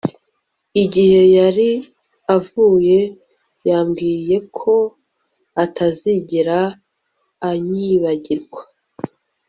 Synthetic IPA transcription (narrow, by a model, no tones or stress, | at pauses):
iɟihe̞jaɾi | avuːje̞ | jaːmɡiːje̞kʰo̞ | atʰaziɟiɾaː | ɲiβaɟiɾɡwḁ